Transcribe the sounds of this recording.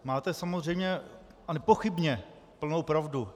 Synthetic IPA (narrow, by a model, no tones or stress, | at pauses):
maːt̪ɛsamozr̝ɛjmɲɛ | anɛpoxɪbɲɛ | pl̩nowpɾavdu